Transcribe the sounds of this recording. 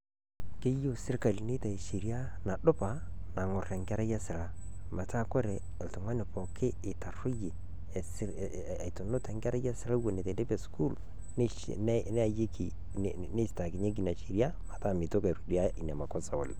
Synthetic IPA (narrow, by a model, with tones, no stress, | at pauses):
ke˦jo˦sɪ˦rka˨lni˦ta˨e˨ʃi˨ɾi˦a˦na˨ɗʊ˦pa˨na˨ŋʊ˨re˨ŋɡa˦ɾa˦ja˦sɪ˨la˦ | ma˨ta˦˨ko˦ɾeː˨ltʊ˨ŋwa˦nɪ˨pɔ˨kɪː˦˨ta˨rʊ˦je˨ | s | to˨nʊ˦ta˨ŋɡɛ˦ɾa˦ja˦sɪ˦la˦wo˨ne˨te˨de˦pe˨sku˦l | n˦ | n˦n˦a˨je˦ki˨ | ne˦sta˨ki˨ɲe˦k̬i˨na˨ʃi˨ɾja˦ma˨ta˦˨mi˨to˦ka˨ɾu˨di˦a˦i˨nɛ˨ma˨kɔ˦sa̰˨o̰˨l